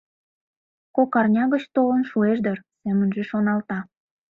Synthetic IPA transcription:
kokɑrnʲɑɣət͡ɕt̪olənʃueʒd̪ərsemənʒeʃonɑlt̪ɑ

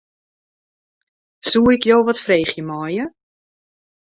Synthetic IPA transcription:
suːɪkjowʋɔtfreːχjəmɔjə

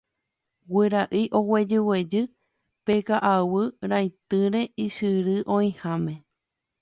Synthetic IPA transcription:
wɨɾaʔɨʔo̞wed͡ʒɨwed͡ʒɨ | pekaʔawɨɾajt̪ɨɾe̞iʃɨɾɨʔõ̞ĩhãmẽ̞

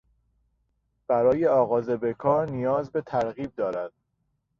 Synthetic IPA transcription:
b̥æɾɒːje̞ɒːɣɒːzebe̞kʰɒːɾnijɒːzbe̞t̪ʰæɾɣiːb̚d̪ɒːɾæd̪̥

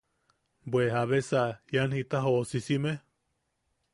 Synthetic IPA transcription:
bweɦaβesajanhit̪aɦosisime

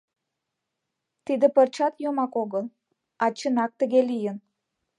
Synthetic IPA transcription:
t̪id̪ə̆pərt͡ɕɑt̪jomɑkoɣəl | ɑt͡ɕə̆nɑk̚t̪ə̆ɣelijən

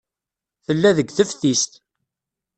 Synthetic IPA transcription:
θəlːæðəɡθəfθist̪

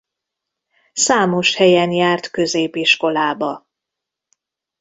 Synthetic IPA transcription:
saːmo̞ʃhɛjɛnjaːrt̪køzeːpiʃko̞laːbɒ

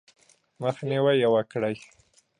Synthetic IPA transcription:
məxniwajawakɽaj

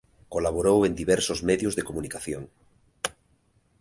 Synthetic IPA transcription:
kolaβ̞oɾowend̪iβeɾsozmeðjozðekomunikaθjoŋ

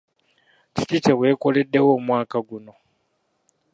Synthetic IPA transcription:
t͡ʃʰitit͡ʃewekoleɗewomwaːkaɡuno

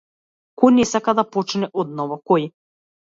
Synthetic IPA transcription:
kɔjnɛsakad̪apɔt͡ʃnɛʔɔd̪̚nɔvɔkɔj

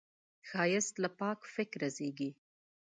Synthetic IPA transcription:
xɑjɪst̪lapɑkfɪkɾazeɡi

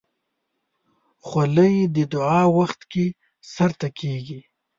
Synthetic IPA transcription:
xaləjid̪əd̪ʊʕɑːwaxt̪ke | saɾt̪akʰeːɡi

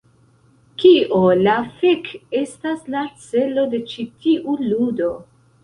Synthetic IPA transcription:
kiʔolafeke̞staslat͡se̞lo̞de̞t͡ʃitiʔuludo̞

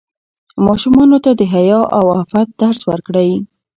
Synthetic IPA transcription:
mɑʃumɑnot̪ad̪əɦajɑʔawafat̪̚d̪̥aɾswəɾkɽaj

